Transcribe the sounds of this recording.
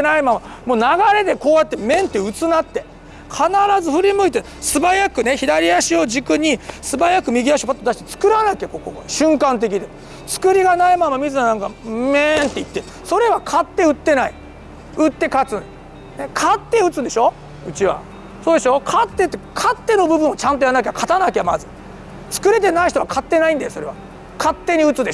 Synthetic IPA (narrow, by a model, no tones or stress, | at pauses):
enaimamamo̞ːnaɡaɾe̞d̪e̞ko̞ːjat̪ːemẽ̞nt̪ːe̞ɯ̟t͡sɨnat̪ːe̞ | kʰanaɾazɨɸɯ̟ɾʲimɯ̟it̪e | sɨbajakɯ̟ne̞çid̪aɾʲiaɕio̞ʑikɯ̟ɲ̟isɨbajakɯ̟mʲiɡʲiaɕ̬iopat̪ːod̪aɕi̥t̪et͡sɨ̥kɯ̟ɾanakekokokɕɨ̃ŋkãnt̪̬e̞kʲid̪e̞ | t͡sɨ̥kɯ̟ɾʲiɡanaimamamʲizɨanãŋkament̪e̞it̪ːe | so̞ɾe̞βakʰat̪ːe̞ɯ̟t̪ːe̞naḭ | ɯ̟t̪ːe̞kat͡sɨ | nekʰat̪ːe̞ɯ̟t͡sɨ̃nd̪e̞ɕo̞ | ɯ̟t͡ɕiβa̰ | so̞ːd̪e̞ɕo̞kʰat̪ːe̞t̪ːekʰat̪ːe̞no̞bɯbɯ̟̃ot͡ɕãnt̪ojanːak̬ʲekʰat̪anakeamazɨ | t͡sɨ̥kɯ̟ɾe̞t̪̬enaiçi̥t̪o̞βakʰat̪ːe̞naĩnd̪ajo̞so̞ɾe̞βa | kʰat̪ːe̞ɲ̟iɯ̟t͡sɨd̪e